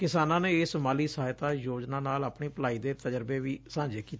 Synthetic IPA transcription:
kɪsaːnãːneːsəmaːliːsəɦaːɪt̪aːjoːd͡ʒnãːnaːlaːpɳeːpəlaːiːd̪eːt̪əd͡ʒəɾbeːʋiːsãːɲd͡ʒeːkiːt̪ː

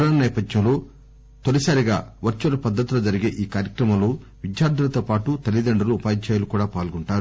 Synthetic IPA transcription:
ɾaːnɐnɛːpɐd̪jɐ̃wlo̞ː | t̪onisaːɾiɡaːʋɐɾt͡ʃulɐpɐd̪ːɐt̪uloːd͡ʒɐɾiɡeːʔiːkaːɾjɐkɾɐmɐmlo̞ː | ʋid̪jaːɾd̪ʱɐlɐt̪oːpaːʈut̪ɐlid̪ɐɳɖɐɾuːpaːjiɲt͡ʃaːjlukuːɽaːpaːlɡuɳʈaːɾu

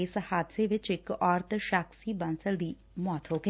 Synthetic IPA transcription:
ɪshaːd̪seʋɪt͡ʃɪkɔːɾt̪ʰʃaːksiːbənsəlʋiː | mɔːt̪ɦoːɡe

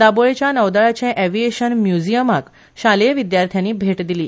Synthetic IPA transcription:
d̪aboɭet͡ɕjanəʋd̪aɭat͡ɕɛ̃ʔɛʋieɕənmjud͡ʑijəmak | ɕaleʋid̪jaɾt̪ʰjanːiːbʱeʈd̪iliː

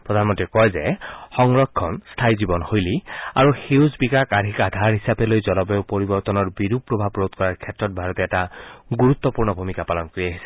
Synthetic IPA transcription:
pɹɔd̪ʱanmɔntɹikɔjzɛxɔŋɹɔkʰːɔnstʰajzibɔnhojlia̰ɹuxewzbikakadʱikadʱaɹɦisapɛlojzɔlɔpɛʊpoɹibɔɹt̪ɔnɔɹbiɹupɹɔbʱabɹot̪kɔɹaɹkʰɛtɹɔt̚bʱaɹɔtɛːtaɡuɹut̪ːɔpuɹnɔbʱumikapalɔnkoɹiaɦisɛ

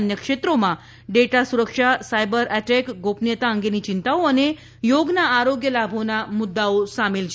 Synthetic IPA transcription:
njəkʂet̪ɾoma | ɖeʈasuɾəkʂasajbəɾʔɛʈɛkɡopnjət̪aəŋɡeniːt͡ɕint̪aʋoəne | joɡnaːɾoɡjəlabʱonamud̪ːaʋosameld͡ʑ

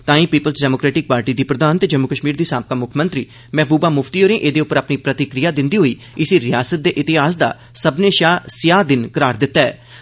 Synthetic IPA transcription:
t̪ãːĩːpiːpəlsɖɛːmoːkɾɛːʈɪk̚paːɾʈiːd̪iːpɾəd̪aːnt̪ed͡ʒəmːʊkəʃmiːɾd̪iːsaːp̚kaːmʊkʰmə̃nt̪ɾiː | mɛ̃ːbuːbaːmʊfʰt̪iːoːɾẽːʔeːd̪eːʊpːəɾapniːpɾət̪ɪkɾɪjaːd̪ɪ̃nd̪iːɦoːiː | ɪsiɾɪjaːsət̪̚d̪eːʔɪt̪ɪɦaːsd̪a̰ː | səbneːʃaːsɪjaːd̪ɪnkəɾaːɾd̪ɪt̪ːaːɛ̰ː

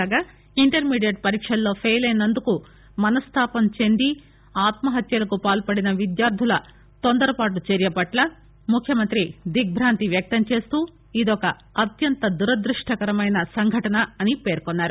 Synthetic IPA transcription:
aɡaː | iɳʈɐɾmiːɖijɐʈ̚pɐɾiːkʂɐlːo̞ːpʰeːjlɐjnɐnd̪uku | mɐnɐst̪ʰaːpɐmt͡ʃe̞nd̪i | aːt̪mɐɦɐt̪jɐlɐkupaːlpɐɽinɐʋid̪jaːɾd̪ʱulɐ | t̪ond̪ɐɾɐpaːʈut͡ʃeɾjɐpɐʈlɐ | mukʰjɐmɐnt̪ɾid̪ik̚bʱɾaːnt̪iʋjɐk̚t̪ɐmt͡ʃe̞ːst̪uː | id̪ɔkɐː | t̪jɐnt̪ɐd̪uɾɐd̪ɾiʂʈʰɐkɐɾɐmɐjnɐsɐŋɡʱɐʈɐnɐɐnipe̞ːɾkɔnːaːɾu

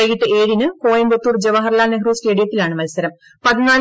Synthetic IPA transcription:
ɐjiʈːɨeːɻinɨkoːjɐmbot̪ːuːrd͡ʑeʋɐɦɐrlaːneɦruːsʈeːɽijɐt̪ːilaːɳɨmɐlsɐɾɐm | pɐðinaːl

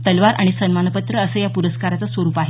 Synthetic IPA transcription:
t̪əlʋaɾʔa̰ɽ̃isənmanəpət̪ɾəəsəːjapuɾəskaɾat͡sasʋəɾuːpaɦe

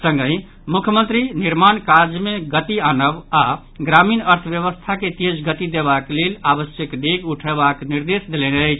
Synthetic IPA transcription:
sə̃ŋɡə̃ɪ | mukʰjəmə̃nt̪ɾiniɾmankad͡ʒmeɡət̪ianəba | ɡɾaminəɾt̪ʰbjəβəst̪ʰaket̪ed͡ʒɡət̪id̪eβaklelaβəsjəkd̪eɡuʈʰeβakniɾd̪esd̪eleneəjt͡ʃʰ

